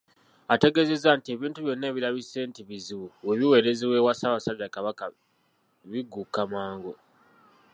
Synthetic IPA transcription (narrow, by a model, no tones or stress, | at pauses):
ate̞ɡe̞ze̞zantie̞βiːntuβjo̞nːeːβilaβise̞ːntiβiziwowe̞βiwe̞ɾe̞ziwe̞wasaβasadakaβaka | βiɡukamaːŋɡo